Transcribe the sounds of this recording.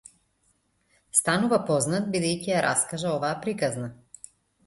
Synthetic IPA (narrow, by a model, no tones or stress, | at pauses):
st̪anuvapɔznat̪̚bid̪ɛjcijaɾa̰skaʒaɔvaːpɾikazna